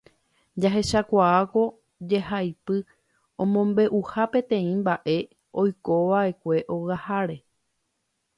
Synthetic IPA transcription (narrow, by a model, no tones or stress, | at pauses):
d͡ʒaɦe̞ʃakʷaako̞ | d͡ʒe̞hajpɨ | õmõ̞mbe̞ʔuhapẽ̞t̪ẽ̞ĩmbaʔe̞ | o̞jko̞ʋaʔe̞kʷe̞ʔoɣahaɾe̞